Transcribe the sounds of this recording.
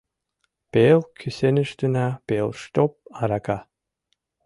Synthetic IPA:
pɛːlkʰʏsɪnɪst̪ʏnapɛːlst̪ɔpaɾaka

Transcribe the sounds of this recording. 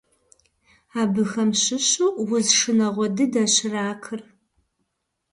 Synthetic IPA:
aːbɨxɐmɕɪɕuːwʊzʂɨnɐʁʷɔdɨdɐɕɪraːkʰɨr

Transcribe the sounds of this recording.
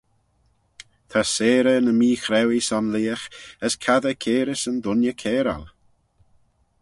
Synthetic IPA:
t̪ʰaseːɾənəmiːxɾɛwisɔnliːəxəskʰaðəkʰeːɾɪsənd̪ʊnjəkʰɛːɾa̰l

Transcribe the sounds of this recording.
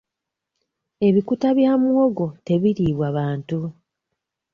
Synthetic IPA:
e̞βikutaβjaːmuoɡo̞te̞βiɾiːβwaβaːntu

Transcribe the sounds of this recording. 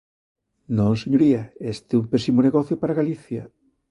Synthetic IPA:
nõseɲoɾiɐest̪eumpesimoneɣɔθjopaɾaɣaliθjɐ

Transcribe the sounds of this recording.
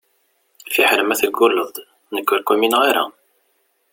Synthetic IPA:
fiħɾəmæθlɡʊlːəðˤ | nəkːʊɾkuminʁiɾa̰

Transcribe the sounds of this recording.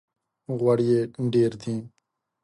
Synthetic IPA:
ɣəɽijeːɖeːɾt̪ʰĩː

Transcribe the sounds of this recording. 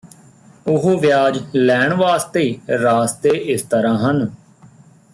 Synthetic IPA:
ʊɦoːʋjaːd͡ʒlɛːɳʋaːst̪eiːɾaːst̪eːʔɪst̪əɾãːɦən

